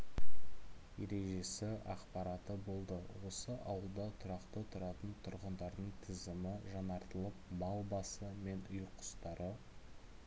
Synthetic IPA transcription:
je̞̰ɾe̞ʒe̞sɪʔɑqpɑɾɑt̪əbo̞lˠd̪əwo̞səʔɑwəlˠd̪ɑt̪ʰʊɾɑqt̪ət̪ʰʊɾɑt̪ənt̪ʰʊɾʁənd̪ɑɾd̪əɴt̪ʰɪzɪmɪʒɑnɑɾt̪əlˠəpmɑlˠbɑsəme̞nʊjqʰʊ̥st̪ɑɾʔə

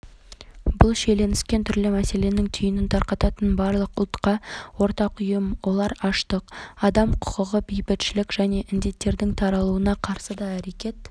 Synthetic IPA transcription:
bʊlˠʃe̞le̞nɪskʲe̞nt̪ʰʏɾlɪmæse̞le̞nɪŋt̪ʰʏjɪnɪnt̪ʰɑɾqɑt̪ɑt̪ənbɑɾlˠəqʊlˠt̪qɑwo̞ɾt̪ɑqʊjəmwo̞lˠɑɾɑʃt̪əqɑd̪ɑmqʰʊ̥qəʁəbejbɪt̪ʃɪlɪkʒ̥æne̞ʔɪnd̪e̞t̪ːe̞ɾd̪ɪŋt̪ʰɑɾɑlˠuənɑqʰɑɾsəd̪ɑæɾe̞kʲe̞t̪

